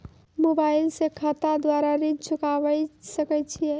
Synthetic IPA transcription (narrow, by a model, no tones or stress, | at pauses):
mobailsekʰət̪ad̪waɾaɾid͡ʒt͡ʃʰukabəsəkɛt͡ʃʰijɛ